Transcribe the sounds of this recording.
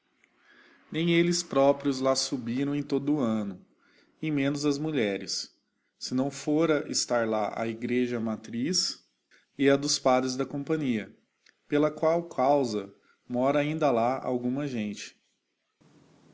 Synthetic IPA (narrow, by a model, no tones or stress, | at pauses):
nẽj̃elɪspɾɔpɾjʊzlasubiɾɐ̃w̃ẽj̃t̪od̪ʊːɐ̃nʊ | ẽj̃mẽnʊzɐzmuʎɛɾɪsː | ɪnɐ̃w̃foɾɐʔɪst̪aɾlaʔɐ̰iɡɾeʒɐmat̪ɾis | ɪɐd̪ʊspad̪ɾɪzd̪ɐkõpɐ̃ɲiɐ | pelɐkwawkʰawzɐ | mɔɾɐaĩnd̪ɐlaa̰wɡũmɐʒẽnt͡ʃɪ̥